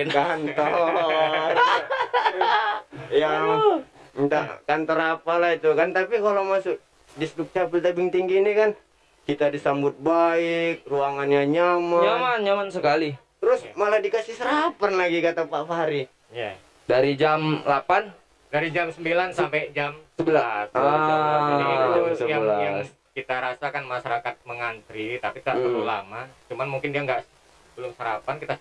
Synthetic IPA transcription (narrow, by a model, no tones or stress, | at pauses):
kant̪ɔ | r | ja | t̪akant̪ɔɾapalahit̪ukant̪apikalomasʊk̚ | disdʊk̚t͡ʃapɪlt̪abiŋt̪iŋɡiːnikan | kit̪adisambʊt̪̚baɪk̚ruaŋanjaɲamaɲamanɲamansəkalit̪əɾʊsmaladikasɪsəɾapanlaɡikat̪apaʔfaaɾi | ja | daɾid͡ʒamlapan | daɾid͡ʒamsəmbilansamped͡ʒamsəbila | it̪uəjalajaŋ | kit̪aɾasakanmaʃaɾakat̪̚məŋant̪ɾit̪apit̪aʔtəlula̰mat͡ʃumanmuŋkɪndiaŋɡaʔ | bəlʊmsəɾapankit̪a